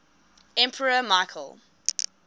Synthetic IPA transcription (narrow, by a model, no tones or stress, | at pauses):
ɛ̃mpʰəɹəmaɪkʰəlˠ